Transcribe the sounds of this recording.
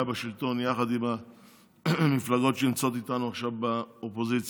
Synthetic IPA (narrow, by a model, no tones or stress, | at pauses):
abeʃilt̪o̞njaχad̪ima | miflaɡo̞tʃeimt͡so̞t̪it̪anuaχʃavbaopo̞zit͡s